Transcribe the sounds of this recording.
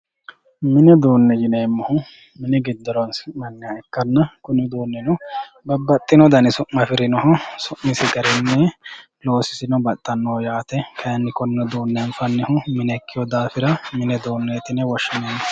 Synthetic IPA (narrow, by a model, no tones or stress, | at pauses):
mɪnɛd̪oːnːɛd͡ʒɪneːmːɐhʊ | mɪnɛɡɪd̪ːɐɾɔnsmɐŋːaɛkːɐnːɐkʊnːɪd̪oːnːɛnɔ | bɐbɐt̪ʼːɪnɔd̪ɐnɪsʊʔɐfɪɾɪnɔhʊsʊʔmɪsɪɡɐɾɛnːɛ | lo̞ːsɪ̥sɪnɔbɐt̪ʼːɐnːoːjaːt̪ɛkʰɐjɐnːɪkʊnːɔd̪oːnːɛɱfɐnːɛhʊmɪnɛkʰːɪjɔd̪aːfɪɾɐmɪnɛd̪oːnːet̪ɪnɛwɔʃːɪneːmːɐ